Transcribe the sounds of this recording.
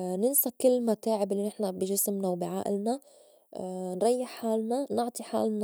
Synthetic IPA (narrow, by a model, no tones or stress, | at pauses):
nɪnsakɪlːmat̪aːʕɪbɪlːinɪħnabiʒɪsmnawbɪʕa̰ːʔɪlna | nɾˤɑjːɪħħaːlnanʊʕt̪ˤiħa̰ːlna